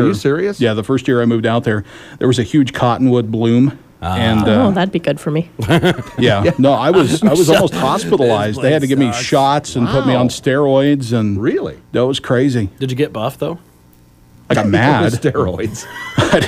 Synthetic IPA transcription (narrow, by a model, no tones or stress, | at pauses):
sɪɹiɨsjæðəfɜ˞st̚jɪɹaɪmʉvdaʊt̪̚ðə˞ðə̰˞wʌzɨhjʉd̥ʒ̥kʰɑʔn̩wʊd̚blʉ̃m | ɨ̃noðɨt̚b̥iɡʊd̥fə˞mi | jænoʊaɪwʌzaɪwʌzɔlˠmoʊst̚hɑspɪɾl̩ˠaɪzdðeɪɨd̚tɨɡɛvmiʃɑtsɨ̃npʰʊt̚miə̃nstɛɹɔɪdzɨ̃nɹɪlˠḭðɨt̚wʌz̥kʰɹ̥eɪzid̥ɨd͡ʒɨɡɛt̚b̥ʌfðoʊ | aɪɡɑt̚mædtɛɹɔ̰ɪdz̥ɪ